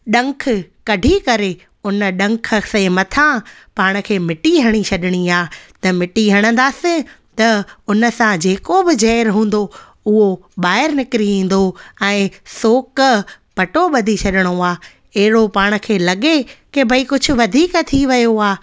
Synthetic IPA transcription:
ɗɐ̃ŋk̆ʰkɐɖʱikɐɾe | ʊnə̆ɗɐ̃ŋkʰə̆sẽmɐt̪ʰãpaːɽ̃ə̆kʰeːmɪʈiɦɐɽ̃it͡ɕʰɐɗɪɽ̃iaːt̪ɐmɪʈiɦɐɽ̃ə̃nd̪aːsɪ̃ | t̪ɐʊnə̆sãd͡ʑeːkobɪd͡ʑɛːɾɦũːn̆d̪o | ʊɦoɓaːɪɾnɪkɪɾiĩːn̆d̪oɛ̃ːsoːk | pɐʈoɓɐd̪ʱit͡ɕʰɐɗɪɽ̃oaː | ɐɦɪɽopaːɽ̃̆kʰeːlɐɠekɪbʱɐikʊd͡ʑʱʊ̆ʋɐd̪ʱiːkt̪ʰiʋɐjoaː

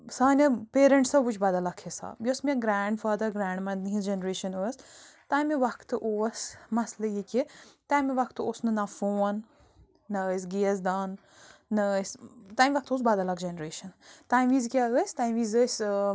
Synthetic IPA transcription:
saːnʲɐpeːɾɐɳʈsɐbut͡ʃʰbad̪ɐlɐkʰesa̰ːbjosmiãɡɾaːɳɖfaːd̪ɐɾɡɾaːɳɖmɐd̪nɦisd͡ʒenɾeːʃɐnoɐst̪aːjmeʋɐkʰt̪ɨʔoːsmɐslɐjikʲit̪aːmeʋɐkʰt̪oːsnɨnafoːnː | ɐs̬ɡiɐsd̪aːnː | ɐst̪aːmʲʋɐk̚t̪oːs̬baːd̪ɐlɐkd͡ʒenɾeːʃɐnt̪aːĩmʋiːzkʲaːəsʲt̪aːĩʋiːzəs

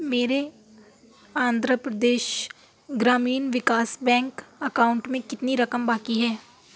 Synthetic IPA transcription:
meːɾe | ãːnd̪ʱɾəpɾəd̪eːʃ | ɡɾaːmiːnʋɪkaːsbɛ̃ːŋkɐkaːʊ̃ɳʈmẽkɪt̪niɾɐkəmbaːkiɦɛː

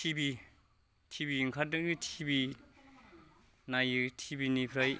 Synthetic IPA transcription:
tʰibi | tʰibiŋkʰadɯɡitʰibi | najɯtʰibinipʰɾaj

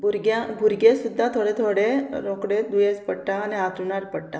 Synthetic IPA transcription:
bʱuɾɡjãbʱuɾɡẽsud̪ʱːat̪ʰoɽet̪ʰoɽeɾokɽed̪ujẽspəɽʈaːniɦat̪ɾuɳaɾpəɽʈa

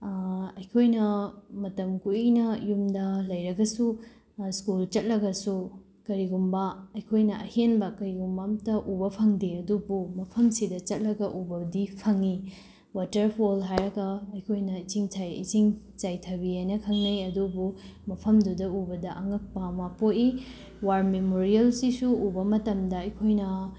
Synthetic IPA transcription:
ɐjkʰojnɐmɐtɐmkuinɐjumdɐlɐjɾɐɡɐsu | skult͡ʃɐt̚lɐɡɐsu | kɐɾiɡumbɐɐjkʰojnɐʔɐhenbɐkɐɾiɡumbamtɐʔubɐpʰɐŋdeɐdubumɐpʰɐmsidɐt͡ʃɐt̚lɐɡɐʔubɐdipʰɐŋi | watɐɾpʰolɦajɾɐɡɐɐjkʰojnɐit͡ʃiŋt͡ʃʰajḭt͡ʃiŋ | t͡ʃajtʰɐbihajnɐkʰɐŋnɐjɐdubumɐpʰɐmdudɐubɐdɐʔɐŋɐk̚pɐmapoti | waɾmemoɾielsisuubɐmɐtɐmdɐɐjkʰojnɐ

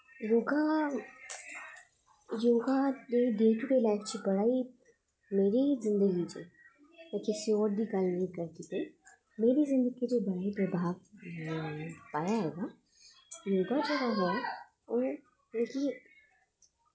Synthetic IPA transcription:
joːɡa | joːɡaneɖeːʈuɖeːlaːɪft͡ʃibɐɽaːi | meːɾizɪ̃nd̪əɡit͡ʃḛː | ekesioːɾd̪ikalnĩkɐɾk̪it̪e | meːɾizɪ̃nd̪əɡid͡ʒebɐɽ̤aːipɐbʱaːɡ | paːjaɦɛːɡa | joːɡad͡ʒɐɡaɦo | o | leːki

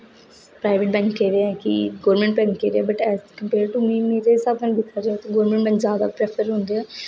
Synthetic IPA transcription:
pɾaːɪʋeʈ̚bɛ̃ːŋkːeːɾeɛkɪ̰ɡoːɾmɛ̃ɳʈbɛ̃ŋkːeːɾeɛːbəʈɛːzkəmpeːɾɖʈumĩːmeːɾesab̚kənbɪt̪ʰːaːɾeaːt̪oːɡoːɾmẽɳʈbɛ̃ːŋkzjaːd̪a̰pɾɛpʰəɾɦõnd̪eɛː

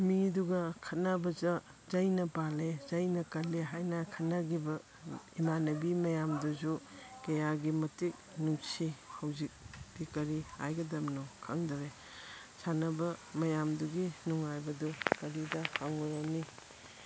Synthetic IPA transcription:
miduɡɐkʰɐt̚nabɐzɐzɐjnɐpalezɐjnɐkɐleɦajnɐkʰɐtnɐɡibɐ | imanɐbimɐjamduzukɐjaɡimɐtik̚numsihɐwzik̚b̥ikɐɾiha̰jɡɐdɐmnɔkʰɐŋdɐɾe | sanɐbɐmɐjamduɡinuŋajbɐdukɐɾidɐhaŋɔɾɐmni

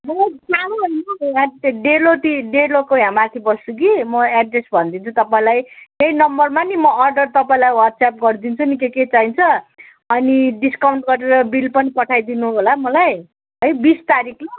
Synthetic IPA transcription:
mʌd͡zaɽoɦʌjnʌãɖelot̪iɖeɾlokoɦjãmat̪ʰibʌst͡sukimʌaɖresbʱʌnd̪int͡sʰut̪ʌpaĩlajk̪ejnʌmbʌrmanimʌʔʌrɖʌrt̪ʌpaĩlajwaʈsap̚ɡʌrd̪int͡sʰunikeket͡saint͡sʰʌ | ʌniɖiskawɳʈɡʌɾeɾʌbilpʌnipʌʈʰajd̪inuɦɦolamʌlaj | ʌjbist̪aɾikʰle

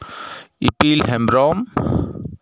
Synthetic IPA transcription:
ipilɦɛmɾɔm

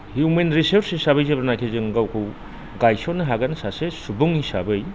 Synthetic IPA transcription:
hjumenɾiseɾsisabɯjzebɐɾnajkʰezɯŋɡawkʰɯw | ɡajsɔnɯɦaɡansasesubuŋisabɯj

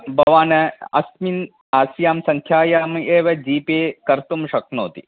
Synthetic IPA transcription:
bʱɐʋaːnɐɐ̰smin | aːsjaːmsɐŋkʰjaːjaːmeːʋɐd͡ʒiːpeːkɐɾt̪umʃɐknoːt̪ḭ

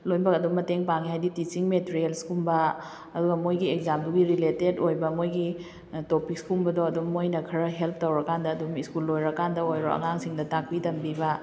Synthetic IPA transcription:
lojbɐkɐdumːɐteŋpaŋihajditit͡ʃiŋmeteɾielskumbɐː | duɡɐmojɡiek̚zamduɡiɾiletedojbɐmojɡi | topik̚skumbɐdoɐdumːojnɐkʰɐɾɐɦelp̚ʰtowɾɐkandɐːdumiskulːojɾɐkandɐojɾo̰ɐ̰ŋaŋsiŋdɐtak̚pitɐmbibɐ

